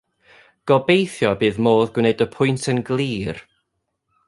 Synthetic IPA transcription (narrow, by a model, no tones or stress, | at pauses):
ɡ̥ɔbejθjɔbɨːðmoːðɡwneɨdəpʰʊɨntʰənɡlˠiːr